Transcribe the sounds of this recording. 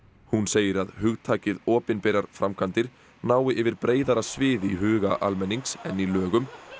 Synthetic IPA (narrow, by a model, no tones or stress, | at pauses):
hunseːjɪɾaðɦʏɣt̪ʰaːcɪðɔːpɪnpɪjɾaɾ̥fɾamkʰant̪ɪɾ̥ | naːwɪʔɪvɪɾpɾeːjðaɾasvɪːðiɦʏːɣaʔalmɛnːiŋksɛnːilœːɣʏm